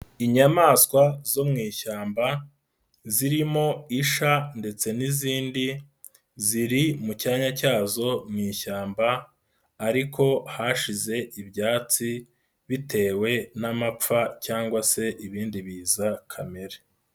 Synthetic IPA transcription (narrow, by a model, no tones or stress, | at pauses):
iɲamaːskwazo̞mŋiːʃaːmba | ziɾimo̞iʃande̞t͡se̞niziːndi | ziɾimucaːɲacaːzo̞mŋiːçaːmbaː | ɾikʰo̞haʃize̞ʔibjaːt͡si | βite̞ːwe̞namap͡facaːŋɡwase̞ʔiβiːndiβiːzakʰame̞ɾe